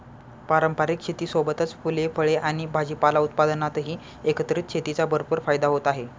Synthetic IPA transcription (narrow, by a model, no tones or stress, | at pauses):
paɾəmpaɾikɕʰet̪iːsobət̪ət͡sfulefəɭeʔaɽ̃ibʱad͡ʑipalaut̪̚pad̪ənat̪ɦiː | ekət̪ɾiːt̪̚ɕʰet̪it͡sabəɾopəɾfajd̪aɦot̪aɦe